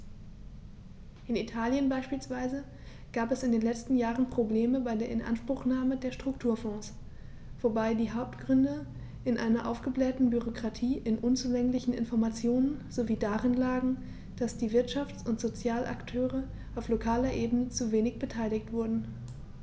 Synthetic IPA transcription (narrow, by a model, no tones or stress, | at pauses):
ʔɪnitʰaːljənbaɪʃpiːlsv̥aɪzə | ɡ̥aːpɛsɪndeːnlɛt͡stn̩jaːʁənpʁ̥obleːməbaɪdeːɐɪnʔa̰nʃpʁ̥ʊxnaːmədeːɐʃtʁ̥ʊktʰuːɐfɔ̃ːs | v̥obaɪdiːɦaʊp̚tɡ̥ʁʏndə | ʔɪnʔa̰ɪnɐʔa̰ʊfɡ̥əblɛːtn̩byʁokʁ̥atʰiːʔɪnʔʊnt͡suːlɛŋlɪçn̩ɪ̰nfɔɐmat͡sjoːnənz̥oviːdaʁɪnlaːɡŋ̩ | d̥asd̥iːvɪɐtʃaft͡sʊntz̥ot͡sjaːlʔa̰ktʰøːʁə | ʔaʊflokʰaːlɐʔeːbənət͡suveːnɪçb̥ətʰaɪlɪçtv̥ʊɐdn̩